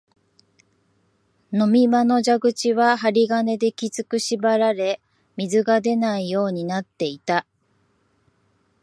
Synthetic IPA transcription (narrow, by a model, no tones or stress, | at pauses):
no̞mʲimano̞ʑaɡɯ̟t͡ɕiβaɦaɾʲiɡane̞d̪e̞kʲit͡sɨkɯ̟ɕibaɾaɾe̞ | mʲizɨɡad̪e̞naijo̞ːɲ̟inat̪ːe̞it̪a